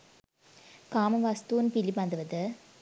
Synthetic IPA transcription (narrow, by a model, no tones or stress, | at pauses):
kaːmɐʋɐst̪uːnpɪlipɐnd̪ɯʋɐðɯ